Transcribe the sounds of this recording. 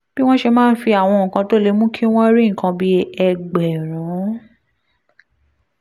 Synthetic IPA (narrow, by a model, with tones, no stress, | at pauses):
b̥i˦w̃ɔ̃˦ʃe˧mãː˦˧n̩˦fi˧a˨w̃ɔ̃˧˨kã˧to˦le˦mũ˦kʰi˦w̃ɔ̃˦ɾi˦ŋ̩˨kã˧bi˧˦ɛ˧ɡ͡bɛ˨ɾ̃ã˨˦